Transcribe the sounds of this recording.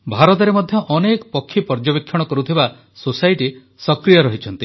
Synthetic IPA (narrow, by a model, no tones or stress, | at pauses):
bʱaɾɔt̪̬ɔɾemɔd̪ʱjɔʔɔnekɔpɔkʰːipɔɾd͡ʒɔbekʰːjɔɽ̃ɔkɔɾut̪ʰiba | sosajʈi | sɔkɾijɔɾɔɦit͡ʃʰɔnt̪i